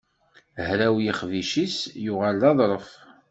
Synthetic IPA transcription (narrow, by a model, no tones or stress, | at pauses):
hɾæwjiχviʃisjʊʁalːɑðˤɾˤəf